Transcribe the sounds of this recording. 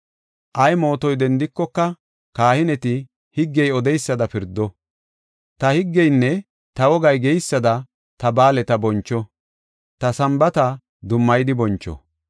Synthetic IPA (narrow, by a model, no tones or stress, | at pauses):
ʔɐjmo̞ːt̪ɔjd̪ɛnd̪ɪkːɔkːɐ | kaːhɪnɛt̪ɪ | hɪɡːɛjɔd̪ɛjsːɐd̪ɐpɪɾd̪ːɔ | t̪ɐhɪɡːɛjnːɛ | t̪ɐwɔɡɐjɡɛjsːɐd̪ɐ | t̪ɐbaːlɛt̪ɐbɔnt͡ʃːɔ | t̪ɐsɐmbɐt̪ɐ | d̪ʊmːɐjd̪ɪbɔnt͡ʃːɔ̰